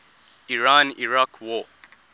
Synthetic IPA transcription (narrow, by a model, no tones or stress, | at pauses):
iɹaniɹakʰwɔ